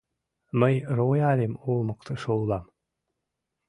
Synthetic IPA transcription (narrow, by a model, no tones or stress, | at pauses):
məjrojɑlʲemolˠmɤkt̪ɤ̆ʃolˠɑm